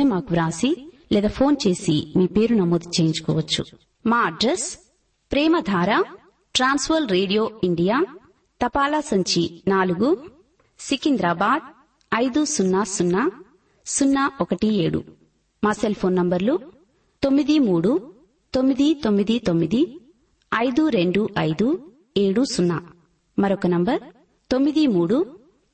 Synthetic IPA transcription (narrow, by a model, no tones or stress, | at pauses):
emaːkuʋɾaːsi | leːd̪aːpʰo̞ːnt͡ʃe̞ːsḭmiːpeːɾunɐmoːd̪ut͡ʃeːjiɲd͡ʒu̥kɔ̰ːʋɐt͡ʃːṵ | maːɐɖɾes | pɾɛːmɐd̪ʱaːɾaː | ʈɾaːnsʋɐːlɾeːɽijoːiɳɖijaː | t̪ɐpaːlasɐɲt͡ʃinaːluɡu | sikind̪ɾaːbaːɖ̚ | ɐjd̪usunːasunːa | sunːaɔkɐʈieːɽṵ | maːselpʰoːnːɐmbɐɾlu | t̪o̞mːid̪imuːɽu | t̪o̞mːid̪it̪o̞mːid̪it̪o̞mːid̪i | ɐjd̪uɾe̞ɳɖuʔɐjd̪u | e̞ːɽusunːa | mɐɾɔkɐnɐmbɐɾ | t̪o̞mːid̪imuːɽu